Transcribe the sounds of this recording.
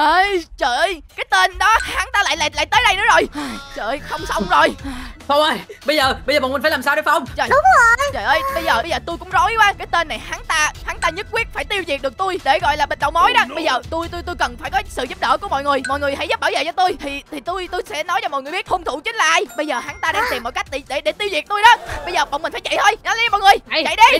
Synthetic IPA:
ʔə˧jt͡ɕəː˧˨˩ʔjkaː˨˦jt̪e˧nɗɔ˨˦haː˨˦ŋt̪aː˧la̰ː˧˨jla̰ː˧˨jla̰ː˧˨jt̪əː˨˦jɗə˧jnɨ̰˧˥əzo˨˩jt͡ɕə̰˧˨˩jxə˧wŋ͡msə˧wŋ͡mzo˨˩jfa˧ə˧jɓə˧jzəː˨˩ɓə˧zəː˨˩ɓɔ̰˨˩mi̟˨˩fːlaː˨˩saː˧wɗo˨˦fə˧wŋ͡mt͡ɕəː˨˩ɗŋ͡mə˨˩˨jt͡ɕəː˨˩ʔəː˧jɓə˧jzəː˨˩ɓə˧jzəː˨˩t̪u˧jkʊ̰˧˥ŋ͡mzo˨˦jkwaː˧˦kaː˨˦jt̪e˧nːa˨˩jhaː˨˦ŋt̪aː˧haː˨˦ŋt̪aː˧ɲɨ˦˥t̚kwi˦˥ət̚faː˧˩jt̪i˧wzi˨˩k̚ɗɨ˨˩ək̚t̪u˧jɗe˧˩ɣɔ̰˧˨jlaː˨˩ɓï˨˩n̟ɗə̰˧˨wŋ͡mmo˨˦jɗaː˨˦ɓə˧jzəː˨˩t̪u˧jt̪u˧jt̪jkə˨˩nfaː˧˩jkɔ˨˦sɨ̰˧˨zp̚ɗəː˧˩ku˧˩mɔ̰˧˨jŋɨ˨˩əjmɔ̰˧˨jŋɨ˨˩əjɦa̰˧˥jzə˦˥p̚ɓaː˧˩zə̰˨˩t͡ɕɔ˧t̪u˧jt̪ʰi˨˩t̪ʰi˨˩t̪u˧jt̪u˧jsɛ̰˧˥nɔ˨˦jt͡ɕɔ˧mɔ̰˨jŋ˨˩jɓi˦˥t̚ho˧wŋ͡mt̪ʰu˧˩t͡ɕï˨˦ŋ̟laː˨ʔaː˧˩jɓə˧jzəː˨˩ɦaː˨˦nt̪aː˧ɗaː˧˩ŋsɛ˨˩mːɔ̰˨˩t̚ka˦˥jk̚ɗi˧˩ɗe˧˩ɗe˧˩t̪i˧wzi˨˩ək̚t̪u˧jɗɔ˨˦ɓə˧jzəː˨˩ɓɔ̰˧˨ŋ͡mmi̟˨˩faː˧˦t͡ɕa̰˧˨jt̪ʰo˧jna˨˦la˧˦jmɔ̰˧˨ŋɨ˨˩əjt͡ɕa̰˧˨jɗi˧

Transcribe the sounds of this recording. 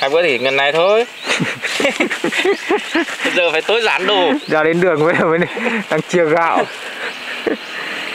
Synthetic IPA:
haː˧˩ɓə̰˧˥t̪ʰi˧˩ŋə˨˩nːa˨˩jt̪ʰo˧j | jzəː˨˩faː˧˩jt̪o˨˦jzaː˧˩˦nɗo˨˩zaː˧˩ɗe˨˦nɗɨ˨˩ə˩ŋvəː˨˦ə˨˩mə˨˦n˨˩ɗa˧˩ŋt͡ɕɨ˨˧˩əɣa̰ː˧˨w

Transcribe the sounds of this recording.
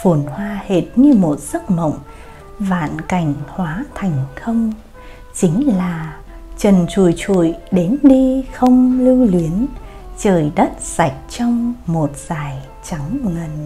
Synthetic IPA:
fu˨˧˩nhwaː˧he˨˩t̚ɲɨ˧mo˨˩t̚z̥ə˦˥k̚mə̰˧˨wŋ͡m | va̰ː˧˨nka˧˩jŋ̟hwaː˨˦t̪ʰa˨˩jŋ̟xə˧wŋ͡m | t͡ɕï˨˦ŋ̟laː˨˩ | t͡ɕə˨˩nt͡ɕu˧˩˨jt͡ɕṵ˧˩˨jɗe˨˦nɗi˧xə˧wŋ͡mlɨ˧li˨˦ən | t͡ɕəː˨˩jɗə˦˥t̚sa˨˩jk̟̚t͡ɕɔ˧wŋ͡mmo˨˩t̚z̥aː˧˩j | t͡ɕa˨˦ŋŋə˨˩n

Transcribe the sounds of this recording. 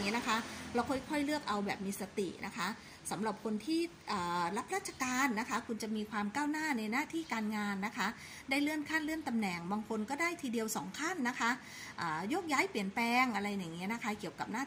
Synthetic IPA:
ŋi˦˥na˦˥kʰa˦˥la˧wkʰɔ˥˩jkʰɔ˥˩jlɯ˥˩ək̚ʔa˧wbɛː˨˩p̚miː˧sa˧t̪ḭ˨˩ʔnʔa̰˦˥kʰa˦˥ | sa˩˦mɾa˨˩p̚kʰo˧nt̪ʰiː˥˩ | ʔəː˨˩ɾa˦˥p̚ɾaː˥˩t̪t͡ɕʰa˧kaː˧nːa˦˥kʰa˦˥kʰu˧nt͡ɕa˨˩miː˧kʰwaː˧mkaː˥˩wnaː˥˩na˧jnaː˥˩t̪ʰiː˥˩kaː˧nŋaː˧nːa˦˥kʰa˦˥ | daː˥˩jlɯ˥˩ənkʰa˥˩nlɯ˥˩ənt̪a˧mnɛ˨˩ŋbaː˧ŋkʰo˧nkɔː˥˩daː˥˩jt̪ʰiː˧di˧əwsɔ̰ː˩˦ŋkʰa˥˩nːa˦˥kʰa˦˥ | ʔaː˨˩joː˥˩k̚jaː˦˥jpli˩ənplɛː˧ŋʔa˧ɾa˧jːaː˨˩ŋːi˦˥na˦˥kʰa˦˥ki˨˩əwka˨˩p̚naː˥˩

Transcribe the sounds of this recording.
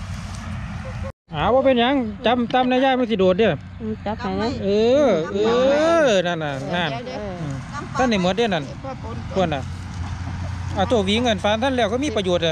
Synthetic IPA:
ʔaː˨˩˨wbɔː˧pe˧˨nɲa˧˥˨ŋt͡ɕa˧˥mt̪a˧˥˨mna˧˩jaː˥˩k̚ma˧˥˨si˧˩doː˨˩t̪̚de˧˩˧ | a˧˦˧ʔɤː˧ʔɤː˧na˧˩˨nːa˧˩naː˧˩nʔɯː˧˩t̪ʰa˧˥˩nːa˧˩mo˧˥t̚dna˧˥˨n | kʰu˧˩əna˧˩ | ʔa˧˩t̪ʰoː˧˩wiː˧˦ŋɤ˧˩nfaː˧˥nt̪ʰa˧˥˨nlɛː˧˩wkɔ˧˨miː˧˥˨pa˧joː˨˩t̪̚ːa˧

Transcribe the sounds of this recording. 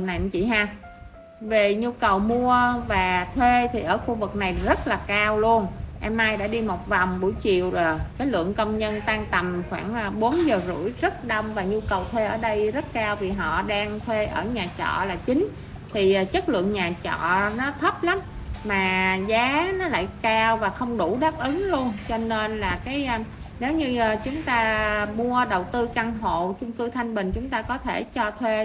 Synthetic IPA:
na˨˩jt͡ɕḭ˧˩ɦaː˧ | ve˨˩ɲu˧kə˨˩wmu˧əvaː˨˩t̪ʰwe˧t̪ʰi˨˩ʔəː˧˩xu˧vɨ˨˩k̚na˨˩jzə˦˥t̚laː˨˩kaː˧wlu˧ənʔɛ˧mʔaː˧jɗa̰ː˧˥ɗi˧mo˨˩t̚va˨˩wŋ͡mɓu˧˩əjt͡ɕḭ˧˨əwzo˨˩jkaː˨˦jlɨ̰˧˨əŋkə˧wŋ͡mɲə˧nt̪aː˧ŋt̪ə˨˩mxwaː˧˩ŋː˧ɓo˨˦nzəː˨˩zṵ˧˩əjzə˦˥t̚ɗə˧wŋ͡mvaː˨˩ɲu˧kə˨˩wt̪ʰwe˧ʔəː˧˩ɗə˧jzə˦˥t̚kaː˧wvi˨˩ɦɔ̰˧˨ɗaː˧ŋt̪ʰwe˧ʔəː˧˩ɲaː˨˩t͡ɕɔ̰˧˨laː˨˩t͡ɕï˨˦ŋ̟ | t̪ʰi˨˩˨t͡ɕə˦˥t̚lɨ̰˧˨əŋɲaː˨˩t͡ɕɔ̰˧˨nɔ˨˦t̪ʰə˦˥p̚la˨˦mmaː˨˩zaː˨˦nɔ˨˦la̰ː˧˨jkaː˧wvaː˨˩xə˧wŋ͡mɗu˧˩ɗaː˦˥p̚ʔɨ˨˦ŋlu˧ənt͡ɕɔ˧ne˧nlaː˨˩kaː˨˦jʔ | ne˨˦wɲɨ˧˩t͡ɕʊ˨˦ŋ͡mt̪aː˧mu˧əɗə˨˩wt̪ɨ˧ka˧ŋɦo̰˧˨t͡ɕʊ˧ŋ͡mkɨ˧t̪ʰa˧jŋ̟ɓï˨˩ŋ̟t͡ɕʊ˨˦ŋ͡mt̪aː˧kɔ˨˦t̪ʰe˧˩t͡ɕɔ˧t̪ʰwe˧

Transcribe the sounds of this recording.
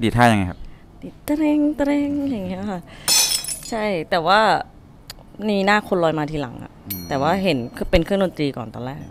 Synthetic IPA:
diː˨˩t̪ʰːaː˥˩ja˧ŋa˧jkʰp̚ | diː˨˩t̪ːa˧ɾe˧ŋt̪a˧ɾe˧ŋja˨˩ŋːi˦˥ɐkʰa˧˩ʔ | t͡ɕʰa˥˩jt̪ɛː˨˩waː˥˩ | ma˥i˧iː˧naː˥˩kʰo˧nlɔː˧jmaː˧t̪ʰiː˧la̰˩˦ŋʔa̰˨˩ʔt̪ɛː˨˩waː˥˩ɦe˩˦nʰpe˧nkʰɯ˥˩˨ŋdo˧nt̪ɾiː˧kɔ̰ː˨˩nt̪ɔ̰ː˧nɾɛː˥˩k̚

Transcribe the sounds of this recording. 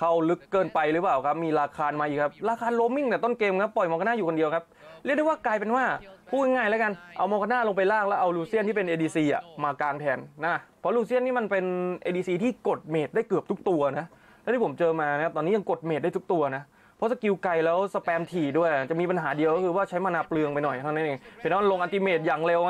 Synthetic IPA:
kʰa˦˥wlɯ˦˥kːɤː˧npa˧jɾɯ˦˥paː˨˩wkʰa˦˥p̚miː˧ɾaː˧kʰaː˧nmaː˧ʔiː˨˩kʰːa˦˥p̚ɾaː˧kʰaː˧nlo˦˥mːi˥˩ŋt̪ɛː˨˩t̪o˥˩nkeː˧mkʰa˦˥pːɔ˨˩jmɔː˧kʰa˧˥naː˥˩juː˨˩ko˧di˧əwkʰa˦˥p̚lɾi˥˩k̚dwwːklaː˧jpe˧nwaː˥˩pʰuː˥˩ka˧˩ŋaː˧˩jlɛ˦˥ka˧nʔa˧wmɔː˧kʰa˧˥naː˥˩lo˧ŋp̬a˧jlaː˥˩k̚lɛː˦˥wʔa˧wluː˧si˥˩nʰiː˥˩pe˧nʔeː˧diː˧siː˧ʔa̰˨˩maː˧kaː˧ŋt̪ʰɛː˧nːa˦˥˩pʰɔ˦˥luː˧s̬i˥˩ənːiː˦˥˩ma˧npe˧nʔeː˧diː˧siː˧t̪ʰiː˥˩ko˨˩t̪̚meː˨˩t̪̚daː˥˩jkɯ˨˩əp̪̚ʰu˦˥k̚t̪u˧ɐna˦˥ʔ | lɛ˦˥˩t̪ʰiː˥˩o˩˦mt͡ɕɤː˧maː˧na˦˥ka˦˥p̚t̪ɔː˧nː˦˥ja˧ŋko˨˩t̪̚me˨˩t̪̚da˥˩t̪ʰu˦˥t̪u˧ɐna˦˥ | pʰɔ˦˥sa˧ki˧wka˧jlɛː˦˥wsa˧pɛː˧mt̪ʰiː˨˩du˥˩əja˨˩t͡ɕa˨˩ʔmiː˧p̬a˧nɦaː˩˦di˧wkɔ˥kʰɯː˧waː˥˩t͡ɕʰa˦˥jmaː˧naː˦˧˥plɯ˧əŋpa˧jnɔ˨˩ja˨˩a˧na˦˥nʔeː˧ŋpʰi˨˩nː˦˥ma˧lo˧ŋʔa˧nt̪̬i˧˥meː˨˩t̪̚jaː˨˩ŋle˧w

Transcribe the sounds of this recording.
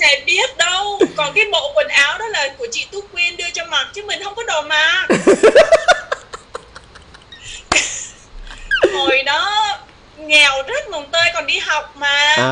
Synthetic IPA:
sɛ̰˧˥ɓi˦˥ət̚ɗə˧wkɔ˨˩nkaː˨˦jɓo̰˧˨kwə˨˩nʔaː˨˦wɗɔ˨˦laː˨˩ku˧˩ət͡ɕḭ˧˨t̪u˦˥kwi˧ənɗɨ˧ət͡ɕɔ˧ma˨˩t̚t͡ɕɨ˨˦mï˨˩ŋ̟hə˧wŋ͡mkɔ˨˦ɗo˨˩maː˨˩ | ho˨˩jɗɔ˨˦ | ŋɛ˨˩wzə˦˥t̚mə˨˩ŋ͡mt̪əː˧jkɔ˨˩nɗi˧ɦa˨˩wk͡p̚maː˨˩

